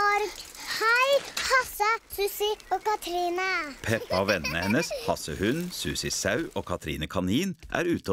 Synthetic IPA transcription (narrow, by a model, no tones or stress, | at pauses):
ɑɾɡhæɪhɑsəsʉsɪoːkɑt̪ʰɾiːnəpʰɛpːɑoːʋɛnəhɛnəshɑsəhʉnsʉːsɪsɑʉʔoːkʰɑt̪ʰɾḭːnəkʰɑniːnʔæ̰ːɾʉːt̪ə